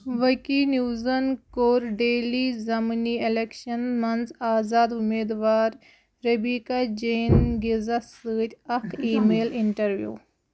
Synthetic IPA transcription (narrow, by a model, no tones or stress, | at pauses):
ʋɐkinjuːzɐnkoːɾɖeːliːzɐmniːelekʃɐnmɐnzaːzaːd̪umeːd̪ʋaːɾ | ɾɐbiːkad͡ʒeːnɡizɐsɨːtʲɐkʰiːmeːliɳʈɐɾʋjṵː